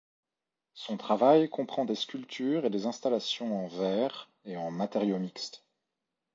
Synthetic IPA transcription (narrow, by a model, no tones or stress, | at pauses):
sɔ̃t̪χavajkɔ̃pχɑ̃d̪eskʲylt̪ʰyːʁed̪ezɛ̃st̪alasjɔ̃ɑ̃vɛːʁ | eɑ̃mat̪eʁjomikst̪